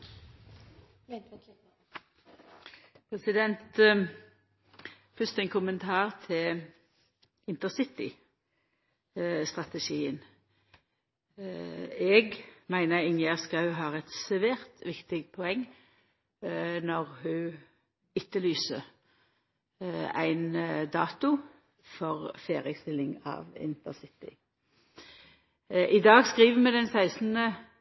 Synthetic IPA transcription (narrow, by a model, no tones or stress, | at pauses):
pʰʁɛsɪd̪ɛnt̪ | fʏst̪ɛɪŋkʰʊmənt̪ʰɑːʁt̪ʰɪl | ɪnt̪əsɪt̪ɪ̰ | st̪ʁɑt̪ɛʃiːən | ɛɡmæɪnəʁɪŋjæʁskɑlɦɑːɛt̪sɛʋeːʁt̪ʋɪkt̪ɪɡ̪pʰɔɛŋː | nɔʁhʉː | ɪt̪ːəlyːsə | æ̰ɪnd̪ɑːt̪ʊ | fɔʁfeːʁɪəst̪ɪlːɪŋɑ̰ːʋɪ̰nt̪əsɪt̪ɪ̰ | ʔɪd̪ɑːɡskʁiːʋəmɛd̪ɛnsæɪsn̩ə